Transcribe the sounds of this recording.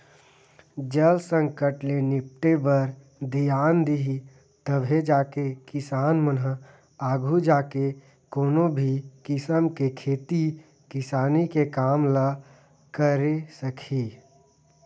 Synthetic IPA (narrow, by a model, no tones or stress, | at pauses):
d͡ʒəlsə̃ŋkəʈlenɪp̚ʈebəɾ | d̪ijaːnd̪iɦi | t̪əbɦed͡ʒaːkekɪsaːnmənɦə | aːɡʱud͡ʒaːke | koːnobʱikɪsəmkekʰeːt̪i | kɪsaːnikekaːmlə | kəɾesəkʰi